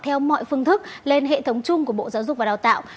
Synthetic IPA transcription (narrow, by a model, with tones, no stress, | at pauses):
t̪ʰɛ˧wmɔ̰˧˨jfɨ˧əŋt̪ʰɨ˦˥k̚le˧nɦḛ˧˨t̪ʰə˨˦wŋ͡mt͡ɕʊ˧ŋ͡mku˧˩əɓo̰˧˨zaː˨˦wzʊ˨˩k͡p̚vaː˨˩ɗaː˨˩t̪a̰ː˧˨w